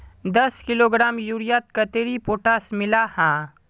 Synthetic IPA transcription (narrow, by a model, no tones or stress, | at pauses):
d̪ɐskɪloːɡɾaːmjuɾijaːt̪̚kɐt̪eɾipoːʈaːsmɪlahãː